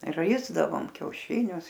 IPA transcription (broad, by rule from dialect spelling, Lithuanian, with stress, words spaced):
ˈrɐɪzdɐʋoːm kʲɛʊˈʃʲɪnʲʊs